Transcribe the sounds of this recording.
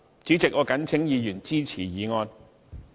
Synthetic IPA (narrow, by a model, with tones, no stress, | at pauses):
t͡ʃyː˨˥t͡sɪ˨k̚ŋɔː˨˧kɐ˨˥nt͡sʰɪ˨˥ŋjiː˨˧jyː˨˩nt͡siː˥t͡sʰiː˨˩jiː˨˧ŋɔː˧n